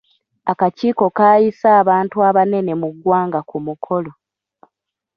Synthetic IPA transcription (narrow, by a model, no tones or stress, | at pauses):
akaciːko̞kaːjisaːβaːntuaβane̞ne̞muɡːwaːŋɡakumukʰo̞lo̞